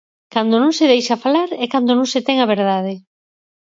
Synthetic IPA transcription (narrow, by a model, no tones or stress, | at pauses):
kand̪onõŋsɪðejʃafalaɾɛkand̪onõŋset̪ɛŋaβ̞eɾðað̞ɪ